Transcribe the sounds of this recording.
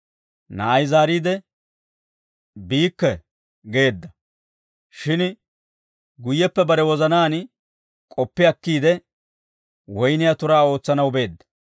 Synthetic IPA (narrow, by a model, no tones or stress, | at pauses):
nɐ̰ɐjzaːɾiːd̪ɛ | biːkːɛ | ɡe̞ːd̪ːɐ | ʃɪn | ɡʊjːɛpːɛbɐɾɛwɔzɐnaːn | kʼɔpːɪɐkːiːd̪ɛ | wɔjnɪjat̪ʊɾaːo̞ːt͡sːɐnɐwbe̞ːd̪ːɐ̥